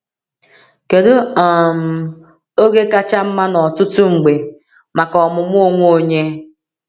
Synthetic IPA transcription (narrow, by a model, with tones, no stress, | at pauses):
ke˨dʊ˦ɔ˨m̩˨ | o˦ɡe˦ka˦t͡ʃa˦m̩˦ma˦nɔ˨tʊ˦tʊ˦ŋ͡m̩˨ɡ͡be˨ | ma˨kɔ˨mʊ˨m˦o˦ŋʷ˦o˦ɲe˦